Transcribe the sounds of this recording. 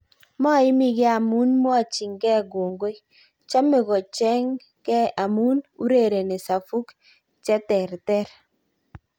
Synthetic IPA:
mɔ˦˨ɪ˦mi˦ɡe˦a˨mu˦nm˦a˨t͡ʃɪ˨ŋkɛ˦˨ɡo˨ŋɡo˦j | t͡ʃa˦mɪ˨ɡɔ˨t͡ʃɛ˦ŋ | kɛ˦a˨mu˦nu˦ɾe˦˨ɾe˨ne˨sa˨fu˦k | t͡ʃɛ˦tɛ˨ɾtɛ˦ɾ

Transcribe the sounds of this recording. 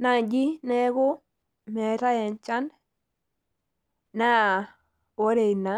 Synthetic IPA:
na˨d͡ʒi˦nɛ˦ɡo˦ | mɛ˨ɾa˦ɛ˨nt͡ʃa˦n | na˦ | wo˦ɾe˨i˨na˨˦

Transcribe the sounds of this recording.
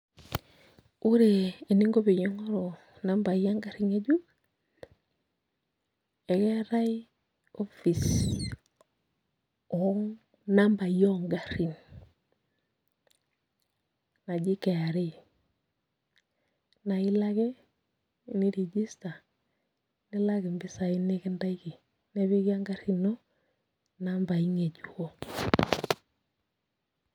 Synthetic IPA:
u˦ɾe˨i˨ni˦ŋɡo˦be˨jo˦ŋo˦ɾo˨ | na˦mba˨ja˦ŋɡa˦ɾi˨ŋe˦ɟu˦ | e˨ke˦ɾa˦i | o˦fi˨s | o˨ŋ | na˦mba˨jo˦ŋɡa˨ɾi˨n | na˨ɟi˦ke˨ja˨ɾe˦ | na˨i˦la˦ɡe˦˨ | ni˦ɾi˨ɟi˦sta˨ | ni˦la˦ɡe˨mbi˦sa˨i˦ne˦ki˦nda˦i˦ki˨ | ne˦βi˦ki˦a˦ŋɡa˦ɾi˨no˦ | na˦mba˨i˦ŋe˨ɟu˨o˦

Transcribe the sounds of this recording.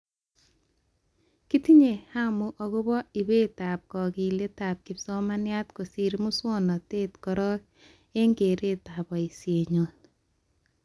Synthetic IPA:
ki˦ti˦ɲe˨ha˦mʊ˨ʔɔ˨ɡo˦bɔ˦i˨be˦ta˨p̚kɔ˨ki˨le˦ta˨p̚kɪ˨psɔ˦ma˦nja˦tko˨si˨ɾmu˦swɔ˦nɔ˨teː˦tkɔ˨ɾɔ˦ | e˦ŋɡe˨ɾe˦ta˨bɔ˨i˨sje˨ɲo˨n

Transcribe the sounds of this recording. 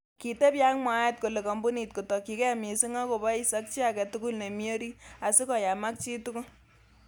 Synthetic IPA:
ki˨te˦pja˦ŋmwa˦e˦t̚ko˨le˨kɔ˨mbu˦ni˨t̚ko˨tɔ˨ki˨kɛ˦mi˨si˦ŋɔ˦ko˨ba˦i˦sa˦k̚t͡ʃi˦a˨kɛ˨tu˦ku˦lne˨mjo˦ɾi˦a˨si˦kɔ˨ja˨ma˦k̚t͡ʃi˦tu˦kʊ˦l

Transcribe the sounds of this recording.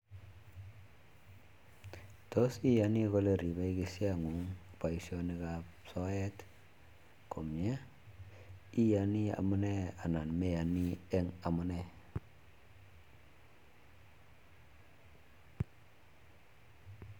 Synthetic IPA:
to˦si˦ja˨ni˦ko˦le˨ɾi˨be˦i˦ki˨si˦a˦˨ŋu˨˦ŋpa˨i˨sio˨˦ni˨˦ka˨psɔ˦ɛ˦t | ko˨mi˨a˦ | i˦ja˨ni˦a̰˨mu˦ne˦a˨na˨nme˦ja˨ni˦e˦ŋa˨mu˦ne˦˨

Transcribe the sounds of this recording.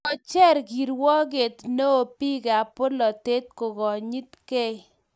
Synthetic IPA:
ɔ˨t͡ʃɛ˦ɾɡi˨ɾwɔ˦ɡe˨t̪no˦o˨pi˦ɡe˨a˨pʊ˦lɔ˨te˦t̪̚ko˨ɡɔ˨ɲi˦t̪ke˦

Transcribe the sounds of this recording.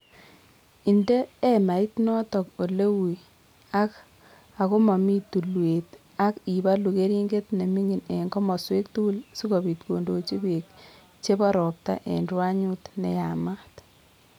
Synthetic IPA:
i˨ndeː˦ma˨i˦tnɔ˦tɔ˨ko˨le˦wu˨ | a˦k | a˨ko˦ma˨mi˦tu˨lwe˨t | a˦ki˨ba˦lu˨ke˦ɾi˦ŋɡe˦tne˨mi˦ŋi˨ne˨ŋɡɔ˦mɔ˨swe˦k̚tu˦lsi˦ko˨bi˨tko˨ndo˨t͡ʃi˦be˨k̚ | t͡ʃe˦ba˦ɾɔ˨p̚ta̰˦ʔḛ˨nrwa˦ɲu˦tnɛ̰˨ja˨ma˦t

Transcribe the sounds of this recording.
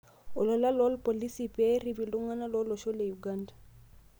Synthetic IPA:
ɔ˨lɔ˨la˦lɔ˦lpo˨li˦si˨pɛ˦ɾi˨bi˨ldu˦ŋa˦na˦lɔ˦lɔ˨ʃɔ˦le˨ju˨ɡa˦ndḁ˨

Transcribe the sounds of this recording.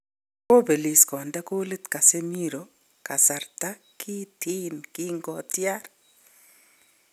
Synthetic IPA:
ko˦be˨li˨skɔ˨nda˦ko˦le˦t̪ka˨se˦mi˦ɾo˨ | ka˨sa˨rt̪a˦ | kʰi˦tʰi˦nki˦ŋɡɔ˨tja˦ɾ

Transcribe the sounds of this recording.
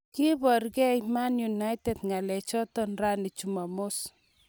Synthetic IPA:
ki˦bɔ˨rɡɛ˦jmanju˨na˦jtedŋa˨lɛt͡ʃɔ˦tɔnra˦ni˨t͡ʃuma˨mos

